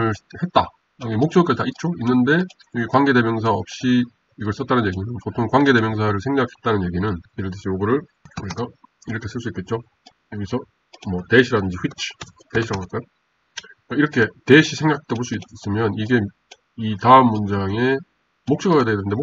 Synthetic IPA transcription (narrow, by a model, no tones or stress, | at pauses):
ɯɭhe̞t̚t͈a | aɡemok̚t͡ɕ͈ʌɡkatait̚t͡ɕ͈ʰoinːɯnde̞ | ɯɡekwaŋɡe̞de̞mjʌŋs̬ʰaʌp̚ɕ͈i | iɡʌɭs͈ʌt͈̚anɯnje̞ɡinɯnpotʰoŋkwaŋɡe̞de̞mjʌŋsʰaɾɯɭsʰeŋɡakʰe̞t̚t͈anɯnje̞ɡinɯniɾɯɭtɯɕʰijoɡɯɾɯɭ | kɯɾik͈a | iɾʌkʰe̞s͈ʰɯɭs͈uik͈et̚t͡ɕ͈o | oɡisʰʌ | mʌte̞ɕʰiɾadɯnd͡ʑiɸwit͡ɕʰteɕʰiɾaɡʌk͈ajo | k͈aiɾʌkʰe̞te̞ɕʰisʰe̞ŋɡak̚t͈ʰoboɭs͈uis͈ɯmjʌniɡe̞ | itaɯmːund͡ʑaŋe̞ | mok̚t͡ɕ͈ʌɡaɡadednɯndemo